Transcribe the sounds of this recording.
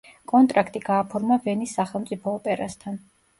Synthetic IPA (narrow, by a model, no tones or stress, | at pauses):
kʼɔnt̪ʼɾakʰt̪ʼiɡaːpʰɔɾmavɛnisːaχɛlˠmt̪sʼipʰɔːpʼɛɾast̪ʰan